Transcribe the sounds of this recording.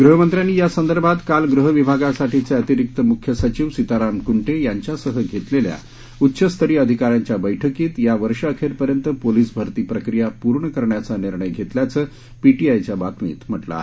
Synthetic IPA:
ɡɾuɦəmənt̪ɾjanːiːjasənd̪əɾbʱat̪kalɡɾuɦəʋibʱaɡasaʈʰit͡seət̪iɾik̚t̪əmukʰjəsət͡ɕiːʋsit̪aɾamkuɳʈejaɲt͡ɕjasəɦəɡʱet̪lelja̰ | utːɕəst̪ʰəɾiːəd̪ʱikaɾjaɲt͡ɕjabəjʈʰəkiːt̪jaʋəɾʂəːkʰeɾpəɾjənt̪əpoliːsbʱəɾt̪iːpɾəkɾijapuɾɳəkəɾɳjat͡saniɾɳəjɡʱet̪ljat͡səː | piʈiajt͡ɕjabat̪mḭːt̪m̤əʈla̰

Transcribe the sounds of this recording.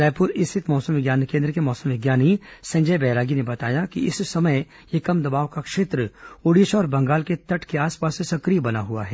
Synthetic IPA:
ɾɛːpʊɾɪst̪ʰɪt̪mɔːsəmʋɪɡjaːnkẽːnd̪ɾəkemɔːsə̃mʋɪɡjaːnisɐ̃ɲd͡ʒəjbɛːɾaːɡinebɐt̪aːjakiɪssɐmə | jekɐmd̪ɐbaːʋkakʃeːt̪ɾəoɽiʃɔːɾbɐ̃ŋɡaːlket̪ɐʈʰkeaːspaːsesɐkɾijbɐnaɦua̰ɦɛː

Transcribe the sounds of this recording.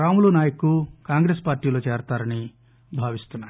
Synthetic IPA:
ɾaːmulunaːjɐkukaːŋɡɾespaːɾʈiːlo̞ːt͡ʃeːɾt̪aːɾɐni | bʱaːʋist̪unːaːɾi

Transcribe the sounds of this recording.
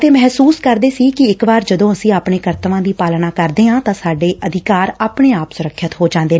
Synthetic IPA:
t̪eːmɛɦsuːskəɾd̪eːsiːkɪɪkʋaːɾd͡ʒəd̪õːəsĩːaːpɳeːkəɾt̪əʋãːd̪iːpaːlnaːkəɾd̪eːɦãːt̪ãːsaːɖeːʔʔəd̪ʱɪkaːɾaːpɳeːaːpsʊɾəkʰʃət̪ɦoːd͡ʒãːnd̪eːn

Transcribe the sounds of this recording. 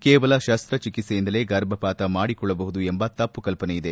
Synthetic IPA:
keːʋɐlɐʃɐst̪ɾɐt͡ʃikit̪sejind̪ɐle̞ɡɐɾbʱɐpaːt̪ɐmaːɽikɔɭːɐbɐɦud̪uembɐt̪ɐpːukɐlpɐnejid̪e̞

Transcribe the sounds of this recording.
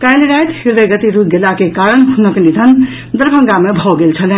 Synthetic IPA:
kajlɾajt̪hiɾd̪əɡʌt̪iɾup̚ɡelakekaɾəñɦunəknid̪ʱən | d̪əɾbʱə̃ŋɡamebʱɔɡelt͡ʃʰəlɛn

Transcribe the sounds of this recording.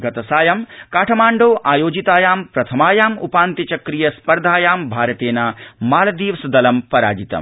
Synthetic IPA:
ɡɐt̪ɐsaːjɐmkaːʈʰɐmaːɳɖoːʔaːjoːd͡ʒit̪aːjaːmpɾɐt̪ʰɐmaːjaːmṵpaːnt̪it͡ʃɐkɾijɐspɐɾd̪ʱaːjaːmbʱaːɾɐt̪eːnaːmaːlɐd̪iːʋɐsɐd̪ɐlɐmpɐɾa̰ːd͡ʒit̪ɐ̰m

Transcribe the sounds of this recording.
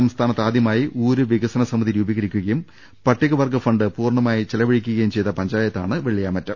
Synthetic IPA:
ɐmst̪ʰaːnɐt̪ːaːd̪jɐmaːjiʔuːɾuʋiɡɐsɐnɐsɐmɐðiɾuːbɐɣɐɾikʲːuɣɐjum | pɐʈːiɣɐʋɐrɡɐfɐɳɖɨpuːrɳɐmaːjit͡ɕelɐʋɐɻikʲːuɣɐjumt͡ɕe̞jt̪ːɐpɐɲd͡ʑaːjɐt̪ːaːɳɨʋeɭijaːmɐtːɐm

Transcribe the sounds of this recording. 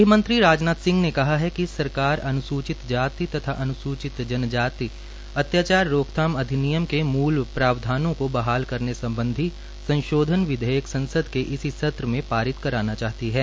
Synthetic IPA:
mə̃nt̪ɾiɾaːd͡ʒnaːt̪sɪ̃ŋɡnekɐɦaɦɛkisɐɾkaːɾɐnʊsuːt͡ʃɪt̪d͡ʒaːt̪it̪ɐt̪ʰaʔɐnʊsuːt͡ʃɪt̪d͡ʒɐnd͡ʒaːt̪iː | ɐt̪jaːt͡ʃaːɾːoːkt̪ʰaːmɐd̪ʱɪnijəmkemuːlpɾaːʋd̪ʱaːnõkobɐɦaːlkɐɾnesɐ̃mbə̃nd̪ʱi | sɐ̃nʃoːd̪ʱənʋɪd̪ʱejəksɐ̃nsəd̪ʱkeʔɪsisɐt̪ɾəmẽpaːɾɪt̪kɐɾaːnat͡ʃaːɦt̪iɦɛː

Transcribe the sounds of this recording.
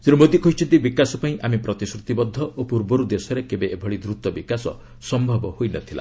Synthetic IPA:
zeɾumod̪ikʰɔit͡ʃʰint̪ibikasɔpaĩʔamipɾɔt̪isɾut̪ibɔd̪ʱːɔʔopuɾbɔɾud̪esɔɾekebeːbʱɔɭid̪ɾut̪ɔbikasɔ̰ | sɔmbʱɔbɔhojnɔt̪ʰila̰

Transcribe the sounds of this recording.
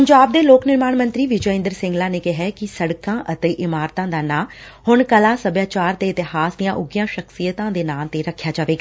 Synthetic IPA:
pəɲd͡ʒaːb̚d̪eːloːknɪɾmaːɳmə̃nt̪ɾiːʋɪd͡ʒəɪ̃nd̪əɾsɪ̃ŋɡlãːneːkɪɦɛːkɪsəɽkãːʔət̪eːʔɪmaːɾt̪ãːd̪aːnaːhʊɳkəlãːsəbjaːt͡ʃaːɾt̪eːɪt̪ɪhaːsd̪ijãːʔʊɡijãːʃəksijət̪ãːd̪eːnaːlt̪eːɾəkʰːjaːd͡ʒaːʋeːɡaː

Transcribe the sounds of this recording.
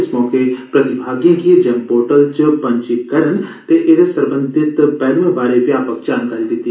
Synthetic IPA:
ɪsmɔːkepɾət̪ɪbʱaːɡijãːkid͡ʒɛmpoːɾʈəlt͡ʃpə̃ɲt͡ʃikəɾənt̪eʔed̪esəɾbə̃nd̪ʱɪt̪pɛːlʋẽːbaːɾepjaːpək̚d͡ʒaːnkaːɾiːd̪ɪt̪ːi

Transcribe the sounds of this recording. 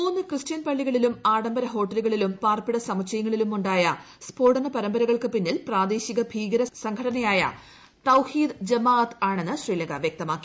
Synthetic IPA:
onːɨkrɨstijɐnpɐɭːiɣɐɭilumaːɽɐmbɐɾɐɦo̞ːʈːɐluɣɐɭilumpaːrpiɽɐsɐmɐt͡ɕʰɐjɐŋːɐɭilumuɳɖaːjɐ | spo̞ːɽɐnɐpɐɾɐmbɐɾɐɣɐɭkɨpinːilpraːd̪e̞ːɕiɣɐbʱiːɡɐɾɐsɐŋɡʰʱɐɽɐnɐjaːjɐ̰ | t̪ɐwhiːd̪d͡ʑɐmaːɐt̪aːɳe̞nːɨɕriːlɐŋɡɐʋjek̚t̪ɐmaːkːi

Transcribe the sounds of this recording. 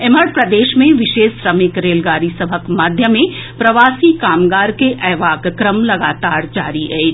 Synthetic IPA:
eməɽpɾɐd̪eːʃmẽʋɪʃeːʃsɾəmɪkɾeːlɡaːɾisəbʱəkmaːd̪ʱjəmẽpɾɐʋaːsikaːmɡaːɾkeʔɛːʋaːɡkɾəmlɐɡaːt̪aːɾd͡ʒaːɾiɛ

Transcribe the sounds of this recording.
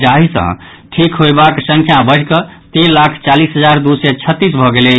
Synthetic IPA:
d͡ʒaɦisə̰̃ | ʈʰikɦojbaksə̃ŋkʰjabəɽkət̪inlakʰt͡ʃalisɦəd͡ʒaɾd̪usɛt͡ʃʰət̪ːisbʱɔɡelɛ

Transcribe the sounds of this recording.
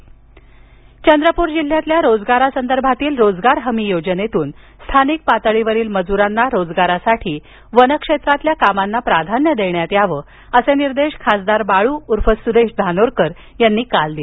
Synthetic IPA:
t͡ɕənd̪ɾəpuːɾd͡ʑil̤jat̪ljaɾod͡zɡaɾasənd̪əɾbʱat̪iːlɾod͡zɡaɾɦəmijod͡ʑənet̪uːn | st̪ʰanik̚pat̪əɭiʋəɾiːlməd͡zuɾanːaɾod͡zɡaɾasaʈʰiː | ʋənəkʂet̪ɾat̪ljakamanːapɾad̪ʱanjəd̪eɳjat̪jaʋəː | əseniɾd̪eɕkʰasd̪aɾbaɭuːuɾfəsud̪eʂd̪ʱanoɾkəɾ | janːiːkald̪il

